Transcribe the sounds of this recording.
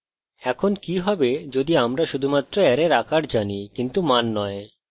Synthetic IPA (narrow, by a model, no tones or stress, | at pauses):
ɛkʰonkiɦɔbed͡ʑod̪iamɾaʃud̪ʱumat̪ːɾoɛɾeɾakaɾd͡ʑanikint̪umanːɔe